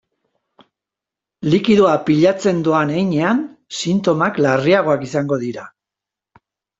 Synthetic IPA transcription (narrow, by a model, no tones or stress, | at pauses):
likiðuapiʎat͡se̞nd̪uanejɲe̞ansint̪o̞maklariaɣ̞o̞akisaŋɡo̞ðiɾa